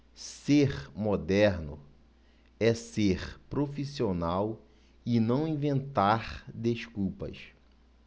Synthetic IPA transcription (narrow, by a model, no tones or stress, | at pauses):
seɾmod̪ɛɾnʊ | ɛseɾpɾofisionaw | ɪnɐ̃w̃ĩvẽnt̪aɾd̪eʃkuwpɐ̰ʃ